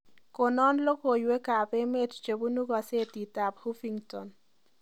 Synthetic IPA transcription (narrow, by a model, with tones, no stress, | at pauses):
ko˨nɔ˦nlo˦ko˨jwe˦ka˨pe˦me˦tt͡ʃe˨bu˦nu˦ɡa˨se˦ti˨ta˨phu˦fi˦ŋtɔ˨n